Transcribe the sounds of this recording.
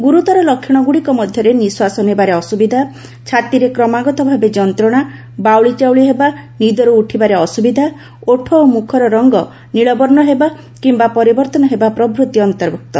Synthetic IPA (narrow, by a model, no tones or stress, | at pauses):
ɡuɾut̪ɔɾɔlɔkʰːjɔɽ̃ɔɡuɽikɔmɔd̪ʱjɔɾeniswasɔnebaɾeɔsubid̪ʱa | t͡ʃʰat̪iɾekɾɔmaɡɔt̪ɔbʱabed͡ʒɔnt̪ɾɔɽ̃a | bawɭit͡ʃawɭiɦebanid̪ɔɾuuʈʰibaɾeɔsubid̪ʱa | oʈʰɔomukʰɔɾɔɾɔŋɡɔ | niɭɔbɔɾɳɔɦeba | kimbapɔɾibɔɾt̪ɔnɔɦebapɾɔbɾut̪iɔnt̪ɔɾbuk̚t̪ɔ